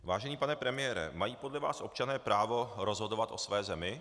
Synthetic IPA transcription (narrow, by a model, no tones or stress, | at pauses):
vaːʒɛniːpanɛpɾɛmɪjɛːɾɛ̰majiːpo̞dlɛva̰ːsʔo̞pt͡ʃanɛːpɾʔaːvo̞ɾo̞zɦo̞do̞vat̪ʔo̞svɛːzɛmɪ